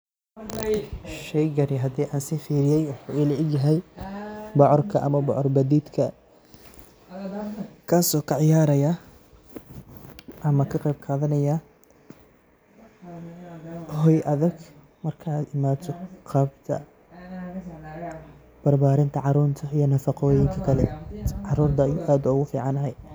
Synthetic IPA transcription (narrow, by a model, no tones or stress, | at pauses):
ʃɛjɡɐɾɪɦɐd̪iːʔaːnsiːfiːɾɪjɛjwʊħuːilɐʕɪɡjɐɦɛj | bɑʕɔrkʰɐʔɐ̰mɐbɑʕɔrbɐd̪iːd̪kʰɐ | kʰaːsɔːkʰɑʕɪjaːɾɐja | ʔɐmɐkʰɐqɛjb̚kʰaːðɐnɐja | hɔjʔɐðɐɡ | mɐrkʰaːd̪ɪmaːt̪ʰɔqʰɑbt̪ʰɐ̰ | b̥ɐrbaːɾɪnt̪ʰɐʕɑɾuːnt̪ʰɐijɞnɐfɑqɔːjɪŋkʰɐkʰɐlɛʕɑɾuːrd̪ɐjʔaːd̪ʊʊɣʊfḭːʕɑnɐɦɛj